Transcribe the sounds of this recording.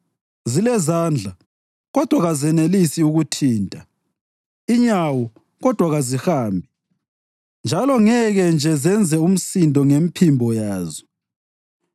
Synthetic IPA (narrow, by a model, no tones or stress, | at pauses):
zilɛzand͡ɮʱa | ɣɔd̥ʱwaɣazɛnelisiuɣutʰiːntʼa | iɲawɔ | ɣɔd̥ʱwaɣazihaːmbʱi | nd͡ʒʱalɔŋɛɣɛnd͡ʒʱɛzɛnd͡zʱɛum̩sindʱɔŋempʰimbʱɔjaːzɔ